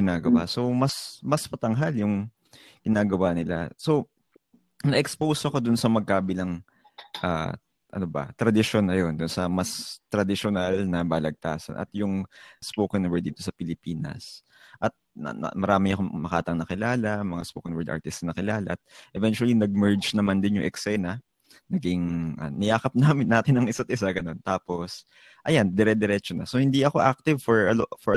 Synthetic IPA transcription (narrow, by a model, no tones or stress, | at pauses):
ɡɪnaːɡɐwaso̞mɐsmɐspɐt̪ɐŋɦaljʊŋ | ɡ̥ɪnaːɡɐwaːnɪla̰so̞ | nɐʔɛkspowsɐko̞d̪ʊnsɐmɐɡ̚kaːbɪlɐŋ | ʔa̰ | ʔɐ̰nobɐ̰t̪ɾɐd̪ɪʃonːɐjo̞nd̪ʊnsɐmɐst̪ɾɐd̪ɪʃonalnɐbaːlɐɡ̚t̪aːsɐ̰nʔɐ̰t̪jʊŋspoːkɐnwɛɹd̪̚iːt̪osɐpɪlɪpiːnɐ̰s | ʔɐt̪̚mɐɾaːmɪŋɐkomɐkaːt̪ɐŋnɐkɪlaːlɐmɐŋaspoːkɐnwɛɹd̪a̰ɹt̪ɪst̪snɐkɪlaːlɐʔɐt̪̚ʔɛvɛnt͡ʃuɐlinɐɡ̚mɛɹd͡ʒnɐmand̪ɪnjʊŋʔɛksajnɐ | nɐɡɪŋʔɐ̰nɪjʔaːkɐp̚naːmɪnːaːt̪ɪnɐŋʔɪsat̪̚ʔɪsaɡɐno̞nt̪aːpo̞s | ʔɐjand̪ɛɾɛd̪ɛɾɛːt͡ʃonɐ̰sohɪnd̪iɐko̞ʔak̚t̪ɪvfɔɹɐfɔɹɐ